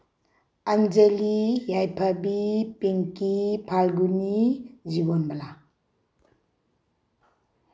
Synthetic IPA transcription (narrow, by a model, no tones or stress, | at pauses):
anzelijajpʰabipiŋkipʰalɡunizibɔnbala